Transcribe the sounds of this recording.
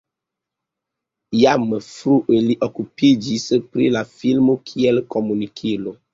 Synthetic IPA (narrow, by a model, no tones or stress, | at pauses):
jaməfɾuʔeliʔokupid͡ʒispɾḭlafilmokʰiɛlkɔmunikʰilo